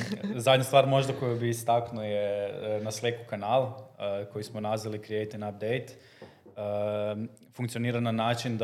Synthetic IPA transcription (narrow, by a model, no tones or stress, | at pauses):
zad̪ʲɲast̪ʋaːɾmo̞ʒd̪ako̞jabiːst̪aknujenasleːkukanaːlko̞jismonazʋalikɾiejt̪inap̚d̪ejt̪ː | fuŋkt̪sijo̞niːɾananaːt͡ʃind̪